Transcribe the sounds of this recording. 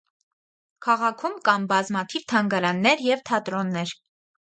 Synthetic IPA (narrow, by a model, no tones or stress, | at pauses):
kʰɑʁɑkʰumkɑmbɑzmɑt̪ʰivt̪ʰɑŋɡɑɾɑnːɛɾjɛvt̪ʰɑt̪ɾɔnːɛɾ